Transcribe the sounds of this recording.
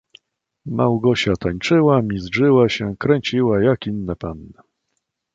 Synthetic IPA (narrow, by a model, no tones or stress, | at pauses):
mʔa̰wɡɔɕat̪aɲt͡ʂɘwamʲizʐɘwaɕɛkɾɛɲt͡ɕiwajakinːɛpanːɛ